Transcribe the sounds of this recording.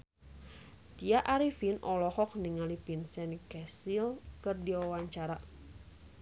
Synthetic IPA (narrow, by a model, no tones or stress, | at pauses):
t̪iaʔaɾifinʔɔlɔhɔk̚niŋalipinsɛnikɛsilkɨrdiwawaɲt͡ʃaɾa